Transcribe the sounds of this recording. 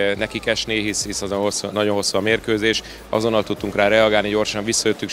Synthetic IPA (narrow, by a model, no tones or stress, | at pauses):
nɛkikɛʃneːɦishisɒzonɦosːunɒɟo̞nɦo̞sːuɒmeːrkøːzeːʃ | ɒ̰zo̞nːɒlt̪ut̪ːuŋkraːɾɛɒɡaːlniɟo̞rʃɒɱvisːɒjøt̪ːyk